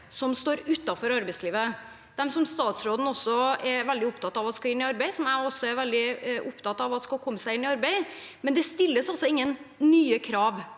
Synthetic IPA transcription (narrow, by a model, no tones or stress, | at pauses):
sɔmst̪oːɾʉt̪ːɑfɔɾɑɾbɛɪsliːʋə | d̪̥ɛmsɔmst̪ɑːt̪sɾoːd̪n̩ɔsːɔɛɾʋɛld̪ɪʊpt̪ɑt̪ːɑʋɑt̪skɑɪnːɪɑɾbæɪsɔmæɔsːɔɛɾʋɛld̪ɪʔʊpt̪ɑt̪ɑʋɑt̪skɑlkʰɔmːəsæɪɪnːɪɑɾbæɪ | mɛnd̪ɛst̪ɪlːəsɑlsɔɪŋːənːyːəkʰɾɑːʋ